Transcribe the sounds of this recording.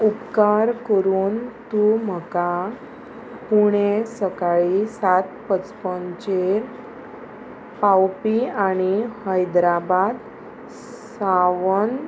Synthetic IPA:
upkaɾkəɾuːnt̪um̤əka | puɽ̃esəkaɭisat̪̚pət͡spɔnt͡ɕeɾ | pawpiaɽ̃ihəjd̪ɾabad̪ | saʋən

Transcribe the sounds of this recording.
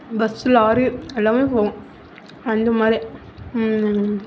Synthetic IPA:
bɐsɯlaːɾiɛlːaːmepõː | ɐnd̪ɐmaːd̪ɾi

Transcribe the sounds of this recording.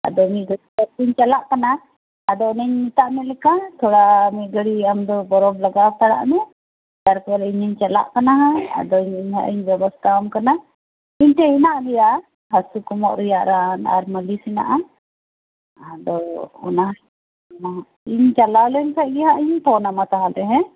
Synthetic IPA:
a̰d̪ɔmiɡəit̪aɾpiɲt͡ʃalaʔkanaː | d̪ɔnəɲmit̪aʔmɛlɛkat̪ʰɔɽamiʔɡəɽiamd̪ɔbɔɾɔblaɡat̪aɽa̰ʔnɛ | t̪aɾpɔɾɛiɲiɲt͡ʃala̰ʔkanaɦãa̰d̪ɔɲiɲɦa̰ʔiɲbɛbast̪ʰamkana | iɲt̪ɛhinaʔɡɛja | hasukɔmɔʔɾɛjaʔɾana̰ɾməlisina̰ʔa | ad̪ɔɔnaɦ | ɔnaɦa | iɲt͡ʃalawlɛnkʰac̚ɡɛɦaʔiɲt̪ɔnamat̪aɦalɛɦɛ̃

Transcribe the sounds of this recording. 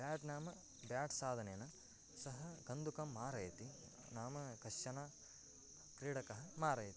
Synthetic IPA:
baːʈnaːmɐ | bjaːʈsaːd̪ʱɐneːnɐ | sɐɦɐɡɐnd̪ʱukɐmːaːɾɐjɐt̪i | naːmɐkɐʃjɐnaː | kɾiːɽɐkɐɦɐmaːɾɐjɐt̪i

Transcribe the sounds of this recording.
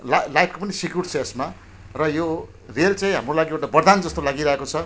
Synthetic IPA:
lalajpʰkopʌnisikjurʈt͡sʰʌesma | rʌjo | relt͡sãĩɦa̰mrolaɡiewʈabʌrd̪and͡zʌst̪olaɡiɾʌɦekot͡sʰʌ

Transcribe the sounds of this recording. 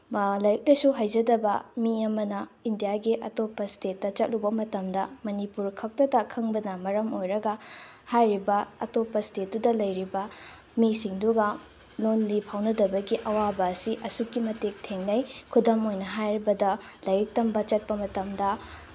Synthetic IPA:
lɐjɐk̚lɐjsuɦajd͡ʒɐdɐbɐ̰miɐmɐnɐindijaɡiʔɐ̰topːɐstetːɐt͡ʃɐt̚lubɐmɐtɐmdɐmɐnipuɾkʰɐk̚tɐdɐkʰɐŋbɐnɐmɐɾɐmojɾɐɡɐ | hajɾibɐɐ̰topːɐstet̚dudɐlɐjɾibɐ | misiŋduɡɐ | lonlipʰawnɐdɐbɐɡiʔɐwabɐːsiʔɐsukːimɐtek̚tʰeŋnɐjkʰudɐmojnɐɦajɾibɐdɐlɐjɾik̚tɐmbɐt͡ʃɐt̚pɐmɐtɐmdɐ

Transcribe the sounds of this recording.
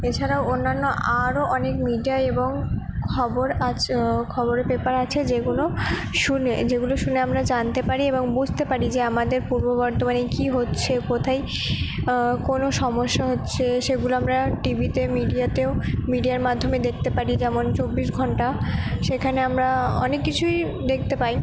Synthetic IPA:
et͡ɕʰaɾaoonːanːoʔaɾoʔɔnekmiɖijaeboŋkʰɔboɾakʰɔboɾepepaɾat͡ɕʰed͡ʑeɡuloʃuned͡ʑeɡuloʃuneamɾad͡ʑant̪epaɾieboŋbud͡ʑʱt̪epaɾid͡ʑeamad̪eɾpuɾbobɔɾt̪omanejkiɦotːɕʰekot̪ʰaj | konoʃɔmoʃːaɦotːɕʰeʃeɡuloamɾaʈibʱit̪emiɖiat̪eomiɖiaɾmad̪ʱːomed̪ek̚ʰt̪epaɾid͡ʑɛmont͡ɕobːiʃɡʱɔɳʈaʃekʰaneamɾaɔ̰nekːit͡ɕʰuj | d̪ek̚ʰt̪epai

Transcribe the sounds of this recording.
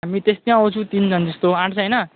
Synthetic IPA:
ɦamit̪est̪ijãʌ̃t͡sʰũt̪int͡sʌnd͡zʌst̪oãʈʰt͡sʰʌjnʌ

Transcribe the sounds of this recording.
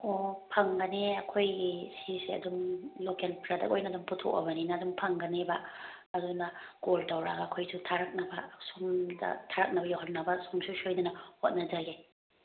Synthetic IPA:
opʰɐŋɡɐneɐkʰojɡisisiɐ̰dumlokelpɾadɐ̰kojnɐːduŋputʰo̰kɐ̰bɐninɐːduŋpʰɐŋɡɐnebɐ | ɐdunɐɡoldɐwɾaɡɐːkʰojsutʰaɾɐk̚nɐbɐsumdɐ̰tʰaɾɐk̚nɐbɐjawɦɐt̚nɐbɐsumsʰusojnɐnɐhot̚nɐd͡ʒaɡe

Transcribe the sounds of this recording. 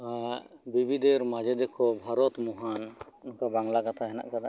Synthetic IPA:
a | bibʱid̪ɛɾmad͡ʒɛd̪ɛkʰɔbʱaɾɔt̪mɔɦan | nɔkabaŋlakat̪ʰaɦɛna̰ʔkad̪a

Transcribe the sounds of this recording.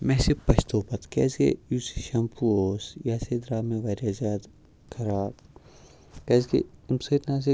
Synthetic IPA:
mɛ̃ːsepɐʃt̪oːpɐt̪kɛ̰ːsḛjuːsiʃɐmpʰuoːsjaːsed̪ɾaːmẽʋɐɾjaːzjaːd̪ | kʰɐɾaːb | kɛːskḛmset̪nãːs̬e

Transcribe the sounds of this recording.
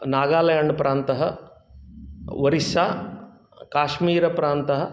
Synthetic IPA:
naːɡaːlɐjɐɳpɾaːnt̪ɐɦɐ | ʋɐɾisaː | kaːʃmiːɾɐpɾaːnt̪ɐɦɐ̆

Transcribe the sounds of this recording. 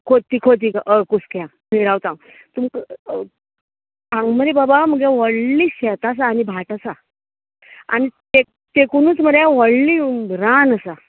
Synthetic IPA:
kʰot̪ːikʰot̪̬ikaʔəkuskjã | miɾawt̪ãw | t̪umk | ãŋɡməɾebabaməɡjaʋɔɽliːɕɛt̪as̬aːnibʱaʈasa | a̰nit̪ek̚t̪ekunuːt͡sməɾjaʋɔɽliɾanəsa

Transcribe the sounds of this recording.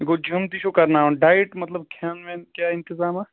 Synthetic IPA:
ɡod͡ʒʱɐmd̪iʃokɐɾnaːonɖaːɪʈmɐt̪ləb̚kʰaːnʋẽːnkjaːɪ̃nt̪ɪzaːmɛː

